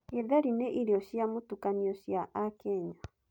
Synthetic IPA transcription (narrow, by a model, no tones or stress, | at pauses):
eðaɾinɛʔiɾiɔʃjamutukaniɔʃjaʔakɛɲa